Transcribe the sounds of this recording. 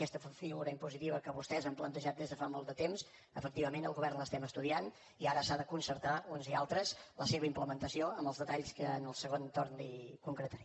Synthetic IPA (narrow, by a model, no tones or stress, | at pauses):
kɛst̪əfiɣuɾəimpuzit̪iβəkəβust̪ɛzəmplənt̪əʒat̪̚d̪ezðəfamolˠd̪ət̪ems | əfəkt̪iβəmenəlˠɣuβɛrnləst̪ɛməst̪uðian | iaɾəsaðəkunsəɾt̪aunzialˠt̪ɾəzləseβəimpləmənt̪əsioəmbəlˠzðət̪aʎskəːnəlˠsəɣont̪oɾnd̪ikuŋkɾət̪əɾi